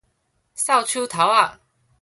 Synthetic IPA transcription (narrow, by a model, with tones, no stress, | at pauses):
sa˥˨ʊt͡ɕʰu˦t̪ʰa˨˦ʊa˥˨˩